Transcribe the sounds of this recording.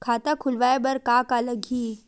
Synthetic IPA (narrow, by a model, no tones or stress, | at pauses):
kʰaːt̪akʰʊlʋaːebɐɾkaːkaləɡʱiː